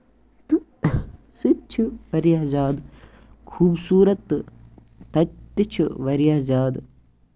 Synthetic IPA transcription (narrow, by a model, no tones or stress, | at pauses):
t̪u | sut͡ʃʰuʋɐɾijaːd͡ʒaːd̪ | kʰuːbsuːɾɐt̪ː | t̪ɐt̪ːɐt͡ʃʰuʋɐɾijaːd͡ʒaːd̪